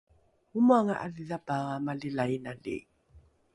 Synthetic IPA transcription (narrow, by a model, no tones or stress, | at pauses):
umwaŋa̰ʔaliðabaɣamalɪlainalɪ̰